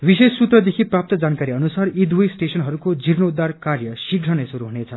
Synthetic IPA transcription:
bisessːut̪rʌd̪ekʰiprap̚t̪ʌd͡zankaɾiʌnusarid̪wujsʈesʌnɦʌɾukod͡zirnoud̪ːarkarjʌsiɡɾʌnʌsuɾuɦunet͡sʰʌ

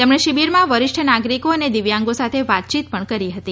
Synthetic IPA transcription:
t̪emɳeʃibiɾmãʋəɾɪʃʈʰənaɡɾikoəned̪iʋjãŋɡosat̪ʰeʋat̪̚t͡ʃit̪pəɳkəɾiɦət̪i

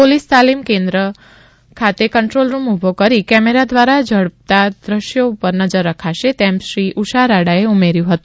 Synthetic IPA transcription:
polist̪alimkẽnd̪ɾə | kʰat̪ekəɳʈɾolɾumubʱokəɾikɛmeɾad̪ʋaɾad͡ʒəɽəp̚t̪ad̪ɾəʃjoupəɾnəd͡ʒəɾːəkʰaʃet̪emʃɾiʔuʃaɾaɽaeumeɾjũɦət̪ũ

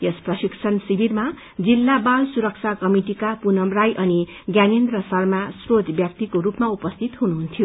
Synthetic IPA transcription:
jesprʌsiksʰʌnsibirma | d͡zilːabalsuɾʌk̚t͡sʰakʌmiʈikapunʌmrajʔʌni | ɡjanend̪rʌsʌrmasrod̪ʱbjak̚t̪ikoɾupmaupʌst̪ʰit̪ɦunuɦunt̪ʰjo

